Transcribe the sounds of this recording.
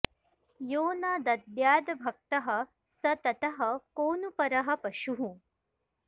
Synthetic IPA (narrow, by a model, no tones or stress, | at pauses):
joːnaːd̪ɐd̪jaːd̪ɐbʱɐk̚t̪ɐɦɐ̆ | sɐt̪ɐt̪ɐɦɐ̆koːnupɐɾɐɦɐ̆pɐʃuɦũ